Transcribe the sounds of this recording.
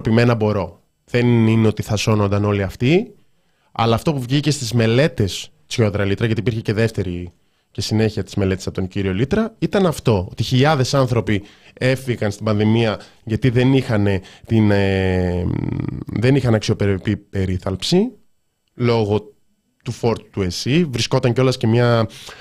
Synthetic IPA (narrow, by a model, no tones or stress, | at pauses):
opime̞nɐbo̞ɾo̞ | ðe̞nineo̞t̪iθɐso̞no̞nd̪ɐno̞liɐft̪i | ɐ̰lɐːft̪o̞puvʝice̞st̪izme̞le̞t̪e̞s | so̞ðɾɐlit̪ɾɐʝɐt̪ipiɾçece̞ðe̞ft̪e̞ɾi | ce̞sine̞çiɐt̪izme̞le̞t̪esɐpot̪ociɾio̞lit̪ɾɐit̪ɐnɐft̪o̞ot̪içiʎɐðe̞sɐnθɾo̞pi | e̞fiɣɐnst̪ibɐnðimiɐ | ʝɐt̪iðe̞nixɐne̞t̪in | ðe̞nixɐnɐksio̞peɾpipe̞ɾiθɐlpsi | lo̞ɣo̞ | t̪ufo̞ɾt̪u̥t̪ue̞sivɾisko̞t̪ɐɲceo̞lɐsce̞mɲɐ